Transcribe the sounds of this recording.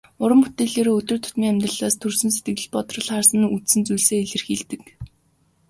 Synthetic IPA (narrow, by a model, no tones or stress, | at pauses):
ʊɾə̆mput̪eːɮeːɾoːɵt̪ɵ̆rt̪ʰʊt̪miːŋæmʲt̪rə̆ɮaːst̪ʰɵrsɵ̆ns̬et̪̚ɡɘ̆ɮɘ̆ɮpɔt̪rə̆ɮχaːrsə̆nut͡ssɘ̆nt͡sujɮseːeɮɘ̆rxiːɮt̪ɘ̆k